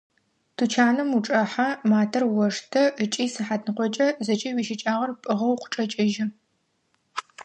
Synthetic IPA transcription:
tʰut͡ʃʰaːnɨmuʈ͡ʂʼɐħamaːtʰɐrwɔʂtʰɐət͡ʃʼiːsɨħaːdnɨqʷɔt͡ʃʼɐzɐt͡ʃʼɐwiːʃɪt͡ʃʼaːʁɐrpʼɨʁɐwqʷʊ̥ʈ͡ʂʼɐt͡ʃʼɐʒɪ

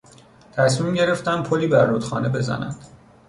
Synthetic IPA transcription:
t̪ʰæsmiːmɟe̞ɾe̞ft̪æn̚pʰoliːbæɾːot̪xɒ̰ːne̞be̞zæ̰næ̰nd̪̥

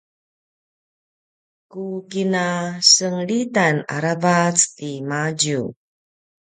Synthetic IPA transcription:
kukinasəŋɭitana̰ɾavat͡stimaɟu

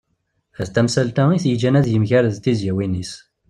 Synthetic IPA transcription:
æðt̪æmsælt̪æiθjəd͡ʒænæðjəmçæɾðt̪izjæwinis

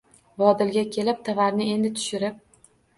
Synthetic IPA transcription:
vɒd̪ɪlɡʲakʲʰe̞lɪp̚t̪ʰavaɾnɪe̞nd̪ɪt̪ʰʊ̥ʃɪɾɪp̚

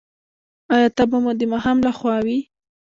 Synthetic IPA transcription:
ɑjɑt̪abamud̪əmaɦamlaxwɑwi

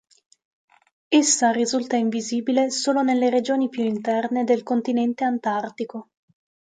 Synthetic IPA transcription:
esːarizult̪aiɱviziːbilesoːlonelːeɾed͡ʒoːnipjuint̪ɛrned̪elkont̪inɛnt̪eant̪art̪iko

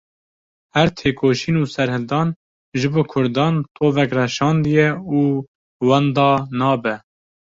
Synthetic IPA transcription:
hæɾt̪ʰeːkoːʃiːnuːsɛɾhɨld̪ɑːn | ʒɨboːkʰʊɾd̪ɑːnt̪ʰʼoːvɛkrɛʃɑːnd̪ɨjɛuː | wɑnd̪ɑːnɑːbɛ

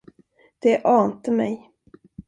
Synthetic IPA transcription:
d̪̥ɛʔɑːnt̪əmɛ̰j

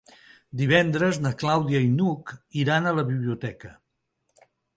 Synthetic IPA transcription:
d̪iβ̞ɛnd̪ɾəznəklawðiəinukiɾanələβiβliut̪ɛkə

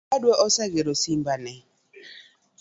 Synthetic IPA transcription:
adwɛʔɔsaɡeɾosimbanɛ

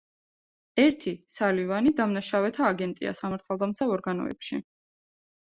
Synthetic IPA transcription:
ɛɾt̪ʰisalivanid̪amnaʃavɛt̪ʰaːɡɛnt̪ʼḭa̰samaɾt̪ʰalˠd̪amt̪sʰaɔɾɡanɔ̰ɛ̰pʃḭ

